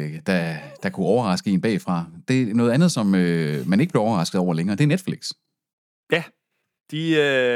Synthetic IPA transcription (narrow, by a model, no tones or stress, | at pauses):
d̥æd̥ɑ̈kʰuɒʊɐʁɑ̈sɡ̥əe̝nb̥ɛ̰ːfʁɑ̈d̥e̝nɔ̽ːð̞̩ˠænð̞̩ˠsɒ̽mømæneɡ̥əb̥le̝ʊɒʊɐʁɑ̈sɡ̥ðˠɒʊɐleŋɐːd̥e̝æɐned̥fliɡ̥s | jæ | d̥iø